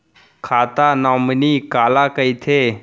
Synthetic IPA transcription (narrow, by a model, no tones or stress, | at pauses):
kʰat̪anɔmnikalakəjt̪ʰe